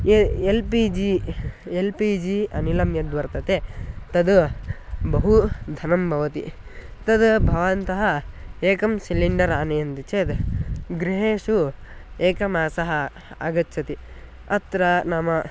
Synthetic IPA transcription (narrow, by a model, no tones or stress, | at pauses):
eelpiːd͡ʒielpid͡ʒiːɐnilɐmjɐd̪ʋɐɾt̪ɐt̪eːt̪ɐd̪ | bɐɦud̪ʱɐnɐmbʱɐʋɐt̪ḭt̪ɐd̪bʱɐʋant̪ɐɦɐeːkɐmsiliɳɖɐɾaːnejɐnd̪it͡ʃeːd̪ɡɾiɦeːʂu | eːkɐmaːsɐɦɐ | a̰ɡɐtːt͡ʃʰɐt̪i | ɐt̪ɾɐnaːmɐ